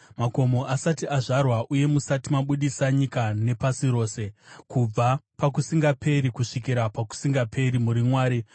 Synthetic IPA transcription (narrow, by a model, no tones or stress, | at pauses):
mako̞mo̞ʔasatiʔaʐarwaʔuje̞musatimaɓuɗisaɲikane̞pasiɾo̞ːse̞kub͡vapak̬usiŋɡapʰe̞ɾikuʂikiɾapaku̥siŋɡapʰe̞ɾimuɾimwaːɾi